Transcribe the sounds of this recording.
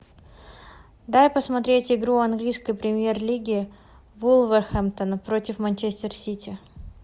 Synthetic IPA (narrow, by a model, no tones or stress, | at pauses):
d̪ajpəsmɐt̪ɾʲetʲɪɡɾuɐnɡlʲijskəjpɾʲɪmʲje̞rlʲiɡʲɪː | vulˠvərxamt̪ənəpɾo̞tʲɪfmɐnʲt͡ɕesʲt̪ʲɪrsʲitʲɪ